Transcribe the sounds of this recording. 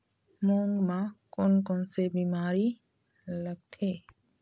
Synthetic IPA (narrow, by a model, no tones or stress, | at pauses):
mõːŋɡmãkʊnkõnsebiːmaːɾi | ləɡ̚t̪ʰeː